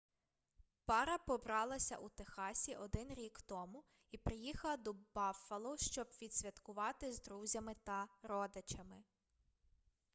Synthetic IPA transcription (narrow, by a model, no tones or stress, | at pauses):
pɑɾɐpɔbɾɑlˠɐsʲɐ̰ʔut̪exɑsʲiʔɔd̪ɪnɾʲikt̪ɔmʊ | ipɾɪjixɐlˠɐd̪ɔbɑfɐlˠɔʃt͡ʃɔbʋʲid̪ʲsʲʋʲɐt̪kʊʋɑt̪ɪzd̪ɾuzʲɐmɪt̪ɐɾɔd̪ɪt͡ʃɐmɪ